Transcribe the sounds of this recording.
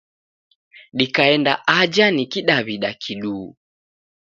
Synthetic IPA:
ɗikaɛndaʔad͡ʒanikiɗaβiɗakʰiɗuː

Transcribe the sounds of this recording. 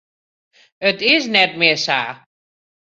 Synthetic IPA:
ətɪs̬nɛt̚mɪːsa̰ː

